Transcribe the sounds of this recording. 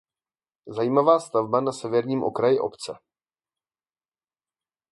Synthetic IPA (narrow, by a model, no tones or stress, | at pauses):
zajiːmavaːst̪avbanasɛvɛɾɲiːmʔo̰kɾajɪʔo̰pt͡sɛ